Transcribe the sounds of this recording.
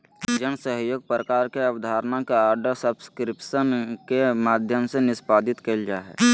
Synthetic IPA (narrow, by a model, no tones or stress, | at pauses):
d͡ʒənsəɦjoːɡ̚pɾəkaːɾkeəʋd̪ʱaːɾənakeaːɾɖəɾsəbskɾɪpsənkemaːd̪ʱjəmsenɪspaːd̪ɪt̪keld͡ʒaːɦɛ̰ː